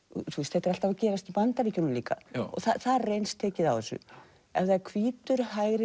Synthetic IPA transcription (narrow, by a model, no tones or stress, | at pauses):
θust̪θɛht̪ːɾal̥t̪avacɛːɾast̪ipant̪aviːcʏnʏmliːka̰ɔ̰ɣθaθaðrejnst̪ʰɛːcɪðawvɛsʏ̰ | ɛvðakʰviːt̪ʏɾ̥ɦajɣɾɪ